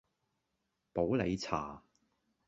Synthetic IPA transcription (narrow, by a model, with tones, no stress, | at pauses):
po˨˥wle˨˧jt͡sʰa̰ː˨˩